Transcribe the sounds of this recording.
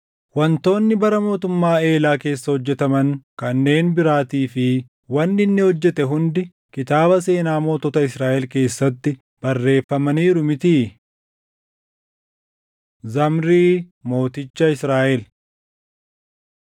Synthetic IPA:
wɐnt̪o̞ːnːɪbɐɾɐmo̞ːt̪ʊmːaːe̞ːlaːke̞ːsːɐhɔd͡ʒːɛt̪ɐmɐŋkɐnːe̞ːnbɪɾaːt̪iːfɪ | wɐnːɪnːɪhɔd͡ʒːɛt̪ɛɦʊnd̪ɪ | kɪt̪aːbɐse̞ːnaːmo̞ːt̪ɔːt̪ɐɪsɾaːʔɛlke̞ːsːɐt̪ːɪ | b̥ɐrːe̞ːfːɐmɐniːɾʊmɪt̪i | zɐmɾiːmo̞ːt̪ɪt͡ʃːɐɪsɾaːʔɛl

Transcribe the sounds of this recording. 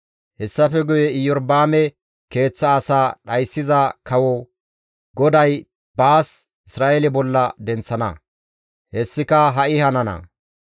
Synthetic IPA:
hɛsːɐfɛɡʊjɛɪjɔɾbaːmɛ | ke̞ːt͡sːɐːsaːɗɐjsːɪzɐkɐwɔ | ɡɔd̪ɐj | baːs | ɪsɾaːʔelɪbɔlːɐd̪ɛnt͡sːɐnɐ̰ | hɛsːɪkɐɦɐʔɪhɐnɐnɐ̰

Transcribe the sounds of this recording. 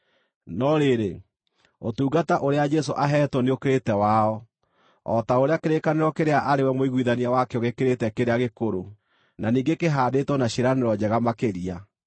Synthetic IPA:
nɔɾeɾe | otuːɣataʔoɾead͡ʒɛs̬oʔaɦɛtwɔneokeɾetɛwaɔ | ɔ̰taoɾeakeɾekaneɾɔkeɾeaʔaɾewɛmoiɣwiðaniawakɛɔɣekeɾetɛkeɾeaɣekoɾo | naniːŋɡekeɦaːdetwɔnaɕeɾaneɾɔd͡ʑɛɣamakeɾia

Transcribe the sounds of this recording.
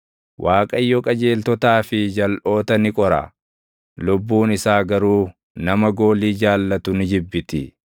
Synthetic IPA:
wʔaːkʼɐjːɔkʼɐd͡ʒe̞ːlt̪ɔt̪aːfɪd͡ʒɐlʔo̞ːt̪ɐnɪkʼɔɾɐ̰ | lʊbːuːnɪsaːɡɐɾuː | nɐmɐɡo̞ːliːd͡ʒaːlːɐt̪ʊnɪd͡ʒɪbːɪt̪ɪ

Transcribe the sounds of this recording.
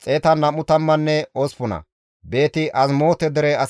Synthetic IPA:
t͡sʼe̞ːt̪ɐnɐmʊt̪ɐmːɐnːɛospʊnɐ̰ | be̞ːt̪ɪʔɐzmo̞ːt̪ɛd̪ɛɾɛɐ

